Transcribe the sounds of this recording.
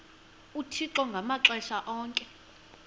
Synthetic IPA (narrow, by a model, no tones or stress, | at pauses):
utʰiǁɔŋɡʱamaǁɛʃaʔɔːŋkʼɛ